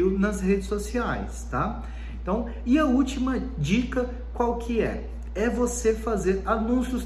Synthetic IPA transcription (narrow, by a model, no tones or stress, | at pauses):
ʊnɐzhed͡ʒɪsosiajst̪a | ẽt̪ɐ̃w̃ | ɪɐut͡ʃimɐ | d͡ʒikɐ | kwawkʰɪɛ̰ | ɛvosefazeɾanũsjʊs